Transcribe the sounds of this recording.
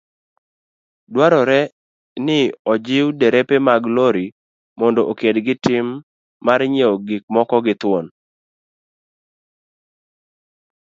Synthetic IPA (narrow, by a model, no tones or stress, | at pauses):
dwaɾɔɾɛ | nɪɔd͡ʒɪwdɛɾepemaɡloɾi | mɔndɔʔokedɡɪtɪmː | aɾɲeɔɡɪk̚mɔkɔɡɪt̪wɔn